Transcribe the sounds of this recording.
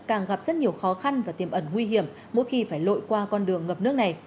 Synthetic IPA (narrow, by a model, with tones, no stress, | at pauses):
kaː˨˩ŋɣa˨˩p̚zə˦˥t̚ɲi˨˩əwxɔ˨˦xa˧nvaː˨˩t̪i˨˩mʔə˧˩nŋwi˧ɦi˧˩əm | mo̰˧˥jxi˧faː˧˩jlo̰˧˨jkwaː˧kɔ˧nɗɨ˨˩əŋːəː˨˩p̚nɨ˦˥ək̚na˨˩j